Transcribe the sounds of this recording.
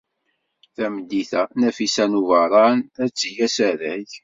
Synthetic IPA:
θæməd̪ːiθænæfisænuvɑɾˤɑnæt͡sːijæsæɾæç

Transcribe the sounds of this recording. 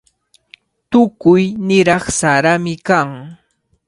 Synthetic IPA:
t̪ʊkʊjnɪɾɑχsaɾamɪkaŋ

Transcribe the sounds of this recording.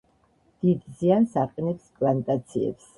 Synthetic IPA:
d̪̥id̪ziansaqʼɛnɛpskʼlant̪ʼat̪sʰiɛ̰ps

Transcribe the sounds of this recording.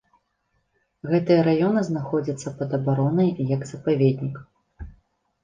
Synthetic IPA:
ɣɛt̪ɨjɐɾajɔnɨznaxɔd͡zʲit̪sːɐpɐd̪ɐbaɾɔnɐjjɐɡz̥ɐpavʲed̪ʲnʲik

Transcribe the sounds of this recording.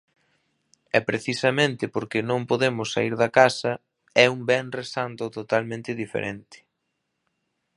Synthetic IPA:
ɛpɾeθisɐmẽnt̪ɪpoɾkɪnõŋpoðemʊsːaiɾðɐkasɐ | ɛuŋbɛŋresant̪ʊt̪ot̪almẽnt̪ɪðifḛɾʔent̪ɪ̥

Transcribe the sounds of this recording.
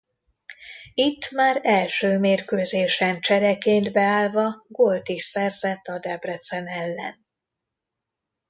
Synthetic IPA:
it̪ːmaːɾɛlʃøːmeːrkøːzeːʃɛnt͡ʃɛɾɛkeːnd̪bɛaːlvɒɡolt̪isɛrzɛt̪ːɒd̪ɛbrɛt̪sɛnɛlːɛ̰n

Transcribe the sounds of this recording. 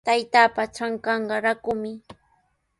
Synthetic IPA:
t̪ajt̪aːpat͡ʃaŋkɑɴɢɑɾakʊmɪ

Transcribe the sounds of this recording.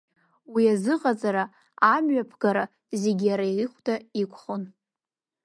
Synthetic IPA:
wiazɨqʼat͡sʼaɾa | amɥapʰɡaɾa | ze̞ɡʲijaɾajriχʷdʰʼaikʷʰʼχon

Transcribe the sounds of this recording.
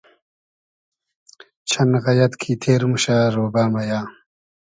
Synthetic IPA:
t͡ɕʰɐnɣɐjɐt̪kʰiːt̪ʰeːɾmuɕaːɾoːbaːmɐjaː

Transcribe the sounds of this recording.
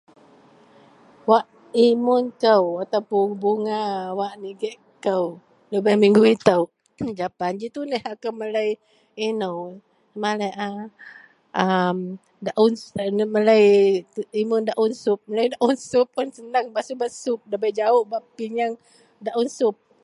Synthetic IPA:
waʔ | imʊnkəwat̪apuŋbuŋawaʔniɡɛʔ | kəw | ləbahmiŋɡuit̪əw | d͡ʒapand͡ʒit̪unəhakəwməlaj | inəw | maləʔa | am | daʔunsməlaj̪ | imʊndaʔunsʊp̚məlajdaʔunsʊpːʊnsənaŋbasubasʊp̚daʔbajd͡ʒaʊʔbaʔpiɲaŋ | daʔunsʊp̚

